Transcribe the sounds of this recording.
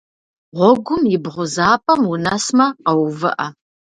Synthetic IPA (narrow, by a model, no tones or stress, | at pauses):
ʁʷɔɡʷʊmjɪbʁʷʊzaːpʰʼɐmwunɐsmɐqɐwvɨ̰ʔɐ